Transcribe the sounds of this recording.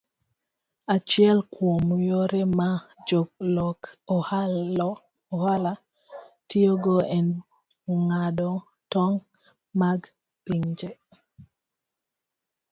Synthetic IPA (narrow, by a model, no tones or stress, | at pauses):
at͡ʃɪɛlkwomujoɾemad͡ʒoɡlɔkɔh | ɔhala | tioɡoɛn | ŋadɔ | tɔŋ | maɡ | piŋd͡ʒe